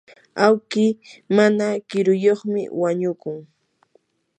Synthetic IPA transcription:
awkɪmanakɪɾʊjoχmɪ̰waɲʊkʊŋ

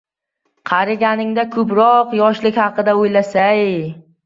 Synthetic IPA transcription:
qʰɑɾɪɡʲanɪŋd̪akʰɵpɾɒqjɒʃlɪkʲhɑqɨd̪aojlasaj

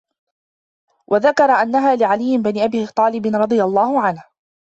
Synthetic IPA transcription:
wʔaðakɑɾˤɑʔanːaɦaːlɪʕalɪjːɪbanɪʔabiːt̪ˤɑːlɪbɪnɾˤɑd̪ˤɨjalˤːɑːhʊʕanh

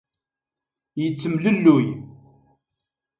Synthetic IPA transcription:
jət͡sːəmləlːuj

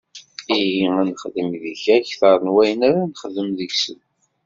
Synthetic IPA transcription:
iɦiænəχðimðiçæçθəɾˤənwæjənæɾanəχðəmðəʝsə̰n

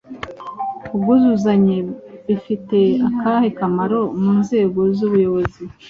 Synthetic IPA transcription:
ubɡuzuzaɲeβifite̞akaːhekamaɾo̞muːnze̞ːɡo̞zuβujo̞βozi

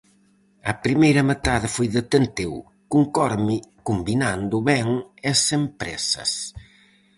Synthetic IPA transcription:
ɐpɾimejɾɐmet̪aðɪfojðet̪ent̪ew | kuŋkɔɾmikumbinand̪ʊβɛŋɐsempɾɛ̰sɐ̰s

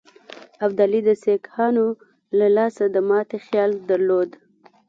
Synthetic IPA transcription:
abd̪alid̪əsekhɑno | lalɑsad̪əmɑt̪exjɑld̪əɾlod̪

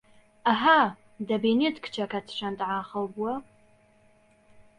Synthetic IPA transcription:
aħa | dɐbiːnitʰkʰt͡ʃʰɐkʰɐtʰʂʷɐntʼʕaːχɐwbwɐ

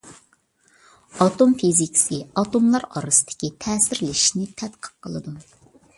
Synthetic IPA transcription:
ɑt̪omfizikʲi̥sɨɑt̪omlˠɑɾɑ̰ɾɨsɨ̥d̪ɪ̥kʲit̪ʰɛːsɪɾlɪi̥ʃnɪt̪ʰɛt̪qʰə̥q̚qʰːəlˠɨd̪u

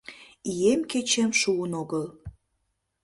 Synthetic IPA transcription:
ijemket͡ɕemʃuənoɣəl

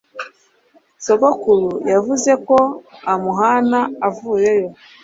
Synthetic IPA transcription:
soɡokulujavuze̞ko̞amuɦanaavuːje̞jo̞

